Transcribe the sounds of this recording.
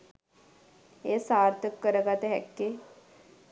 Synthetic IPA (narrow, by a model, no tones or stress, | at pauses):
eːsaːɾt̪əkːəɾəɡat̪əɦɛ̰kːe